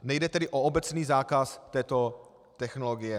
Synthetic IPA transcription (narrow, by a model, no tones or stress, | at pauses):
nɛjdɛt̪ɛdɪʔoobɛt͡sniːzaːkast̪ɛːt̪o̞ | t̪ɛxnoloɡɪjɛ